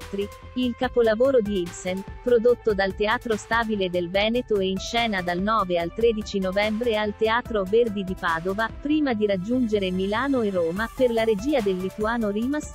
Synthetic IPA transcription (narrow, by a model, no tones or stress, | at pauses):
t̪ɾi | ilkapolavoːɾod̪iilsenpɾod̪ot̪ːod̪alt̪eaːt̪ɾost̪aːbiled̪elvɛːnet̪oeinʃɛːnad̪alnɔːvealt̪ɾeːd̪it͡ʃinovɛmbɾealt̪eaːt̪ɾoverd̪id̪ipaːd̪ovapɾiːmad̪iɾad͡ʒːund͡ʒeɾemilaːnoeroːmaperlaɾed͡ʒiːad̪elːit̪uaːnoɾiːmas